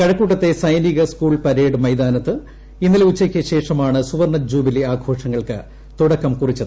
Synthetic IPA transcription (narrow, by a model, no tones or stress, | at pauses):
kɐɻɐkːuːʈːɐt̪ːe̞sɐjniɣɐskuːɭpɐɾeːɽɨmɐjd̪aːnɐt̪ːɨ | inːilut͡ɕːɐkʲːɐɕe̞ːʂɐmaːɳɨsuʋɐrɳɐd͡ʑuːbiliaːɡʱo̞ːʂɐŋːɐɭkɨ̰ | t̪uɽɐkːɐmkurit͡ɕːɐðɨ